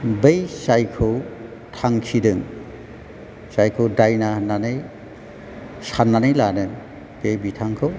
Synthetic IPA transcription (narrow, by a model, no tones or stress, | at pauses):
bejsajkʰɯw | tʰaŋkʰidɯŋ | sajkʰɯwdajnananɯj | sanːanɯjlanɯn | b̥ejbitʰaŋkʰɯw